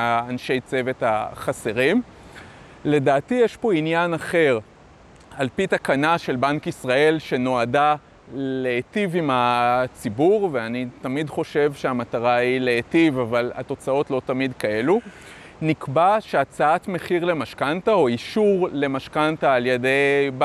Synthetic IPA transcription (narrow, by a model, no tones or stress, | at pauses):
aːnʃe̞jt͡se̞ve̞taχase̞ʁim | le̞daːtijeʃpo̞injanaχe̞ʁ | alpit̪akanaʃe̞lbankisʁae̞lʃe̞no̞ada | leːtivimat͡sibuʁveanitamidχo̞ʃe̞vʃeamataʁaileetivavala̰to̞t͡sao̞tlo̞tamidkae̞lu | nikbaʃeat͡saatme̞χiʁle̞maʃkantaoiʃuʁle̞maʃkantaːljede̞jb